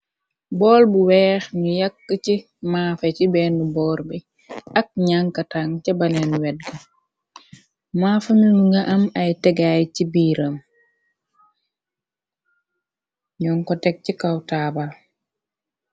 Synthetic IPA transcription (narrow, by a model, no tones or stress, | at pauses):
bɔːlbuwɛːxɲujakːət͡ʃi | maːfecibɛːnubɔːɾbɛ | ak̚ɲaŋkataŋcɛbalɛnwɛd̚ɡɐ | maːfaminuŋɡaʔɐmɐjtɛɡajcibiːɾɐm | ɲɔŋkɔtɛk̚cikawtaːbal